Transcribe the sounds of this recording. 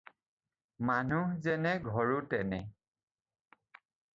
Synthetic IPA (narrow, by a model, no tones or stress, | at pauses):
manuzɛnɛɡʱɔɹutɛnɛ